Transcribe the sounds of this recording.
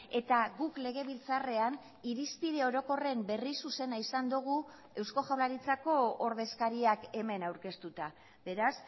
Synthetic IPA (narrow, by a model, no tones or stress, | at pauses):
e̞t̪aɣukle̞ɣ̞e̞βilt͡sare̞an | iɾispiɾe̞o̞ɾo̞ko̞re̞mbe̞risuse̞naisand̪uɣ̞u | e̞wsko̞ʝawlaɾit͡sako̞ːɾðe̞skaɾiake̞me̞nawɾke̞st̪ut̪a | be̞ɾas